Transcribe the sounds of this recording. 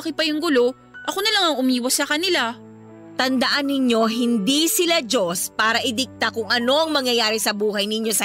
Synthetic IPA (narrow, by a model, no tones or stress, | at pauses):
kɪpɐjʊŋɡʊlo̞ | ʔɐko̞nɐlɐŋɐŋʔʊmiːwɐsɐkɐnɪla | t̪ɐnd̪ɐʔanːɪɲo̞ɦɪnd̪isɪlad͡ʒo̞spaːɾɐʔɪd̪ɪk̚t̪akʊŋʔɐno̞ʔɐŋmɐŋjɐjaːɾisɐbuːɦɐjnɪɲjo̞sɐ